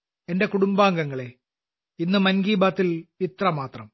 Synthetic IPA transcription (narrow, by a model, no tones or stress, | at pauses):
ende̞kuɽumbaːŋɡɐŋːɐɭe̞ | inːɨmɐnɡiːbaːt̪ːilit̪rɐmaːt̪rɐm